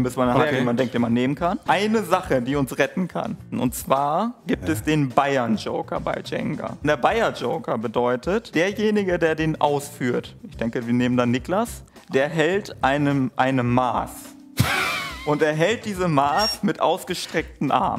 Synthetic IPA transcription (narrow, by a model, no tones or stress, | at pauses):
mbɪsmanhatiːmandɛŋktd̥eːmanːeːmənkʰanʔaɪnəzaχədiːʊnsʁɛtn̩kʰa̰nʔʊ̰ntt͡sv̥aːɐɡiːp̚tɛsd̥eːnbaɪɐnd͡ʒo̰ʊkɐ̰ba̰ɪd͡ʒɛ̰ŋɡɐ̰deːɐbaɪɐd͡ʒoʊkʰɐbədɔʏtʰətd̥eːɐjeːnɪɡədeːɐdeːnʔa̰ʊsfyːɐtʔɪçd̥ɛŋkəviːɐneːməndanːɪklas | d̥eːɐɦɛltʔaɪnəmʔaɪnəmːa̰ːs | ʔʊnteːɐɦɛlt̚d̥iːzəmaːsmɪtʔa̰ʊsɡ̥əʃtʁ̥ɛk̚tn̩ʔa̰ɐm